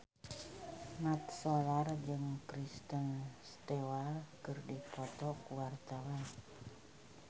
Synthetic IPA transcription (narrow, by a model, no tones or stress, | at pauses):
nat̪̚sɔlard͡ʒɨŋkɾist̪ənst̪ewakərdipɔt̪ɔkuwart̪awan